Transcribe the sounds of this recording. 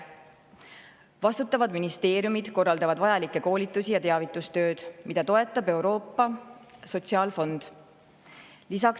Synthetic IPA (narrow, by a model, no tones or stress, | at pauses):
vɑst̪ut̪ːˑɑvɑd̪minist̪e̞ːɾjumid̪̥ko̞rːɑld̪ɑvɑd̪vɑjɑlikːˑe̞ko̞ːlʲit̪ːˑusijɑt̪e̞ɑvit̪ːˑust̪ø̞ːd̪̥mid̪ɑt̪o̞e̞t̪ːˑɑbe̞uɾo̞ːpːˑɑso̞tʲsiɑːlfo̞nd̪̥ | lisɑk